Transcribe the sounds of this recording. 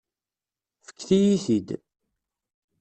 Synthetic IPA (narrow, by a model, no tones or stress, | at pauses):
fə̥kːθijiθid̪